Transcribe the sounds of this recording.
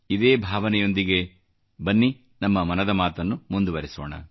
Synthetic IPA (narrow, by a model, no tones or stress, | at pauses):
id̪e̞ːbʱaːʋɐnɛjo̞nd̪iɡe̞ | bɐnːi | nɐmːɐmɐnɐd̪ɐmaːt̪ɐnːumund̪uʋɐɾɛso̰ːɳɐ̰